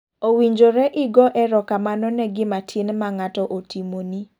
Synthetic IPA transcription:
owiɲd͡ʒoɾɛʔɪɡɔʔɛɾɔkamanɔnɛɡɪmatʰɪnmaŋatɔʔotimoni

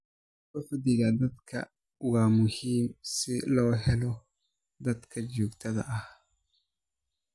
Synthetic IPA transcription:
fʊfd̪ɪɣɐd̪ɐd̪kʰɐ̰ | waːmʊhiːmsɪlɔːɦɛlɔ | d̪ɐd̪kʰɐd͡ʒuːɡt̪ʰɐðɐ̰ʔɐh

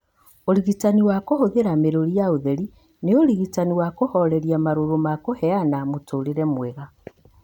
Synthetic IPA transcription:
oɾiɣitaniwakohoðeɾameɾoɾijaoðeɾi | neoɾiɣitaniwakohɔɾɛɾiamaɾoɾomakohɛanamotoːɾeɾɛmwɛɣa

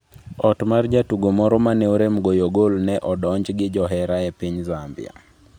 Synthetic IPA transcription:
ɔtmard͡ʒatuɡomɔɾɔmanɛoɾemɡojoɡolnɛʔɔdɔɲd͡ʒɡɪd͡ʒɔɦɛɾaɛpiɲzambɪ̰a̰

